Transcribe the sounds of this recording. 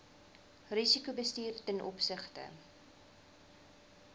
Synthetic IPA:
risikubəstiːrtənʔɔpsəχtə̰

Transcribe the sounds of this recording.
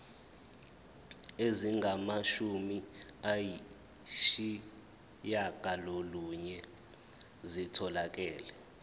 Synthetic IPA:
eziŋɡʱamaʃumiaji | ʃi | jaɡ̥ʼʱaloluɲɛ | zitʰɔlak̬ʼɛːlɛ

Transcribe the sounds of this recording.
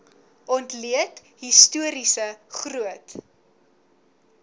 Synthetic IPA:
ʔɔntliət | ɦistuəɾisəχruət

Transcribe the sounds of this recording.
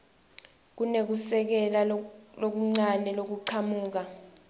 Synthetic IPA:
k̬unek̬usɛk̬ɛlalok̬uŋ͡ǀanɛlok̬uǀʰamuːk̬a

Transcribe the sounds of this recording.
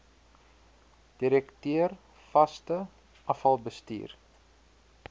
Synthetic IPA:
d̥iɾɛktøər | fɐstə | ʔɐfɐlˠbəstḭːr

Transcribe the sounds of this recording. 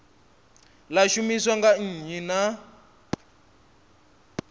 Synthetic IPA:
laʃumiswaŋɡaɲ̩ɦina

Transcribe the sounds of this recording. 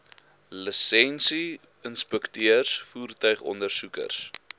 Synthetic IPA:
ləsɛnsi | ənspɛktøərsfuːrtœɥχɔ̰ndərsukə̰rs

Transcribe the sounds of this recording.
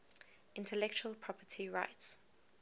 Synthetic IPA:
ɪ̃ntʰɛlɛk̚t͡ʃuəlpʰɹ̥ɔpʰətʰiɹa̰ɪts

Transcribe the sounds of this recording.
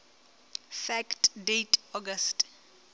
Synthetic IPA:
fɛktdetʰɔɡast

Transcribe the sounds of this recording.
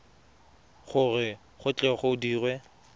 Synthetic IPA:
χʊrɪ | χʊt͡ɬʼɛχoʊdiːrwɛ

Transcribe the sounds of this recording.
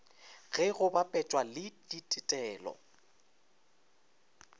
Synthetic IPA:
ɣɛɣʊbapʼɛt͡ʃʼwalɪditʼɪtʼɛːlɔ̰

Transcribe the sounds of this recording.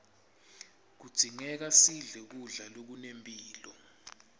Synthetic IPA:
k̬ud̥ʱiŋɛk̬asiɮɛk̬uɮalok̬unempʼiːlɔ

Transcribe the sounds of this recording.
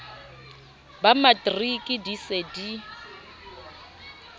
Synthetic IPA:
bamatʼrikʼɪdisedi

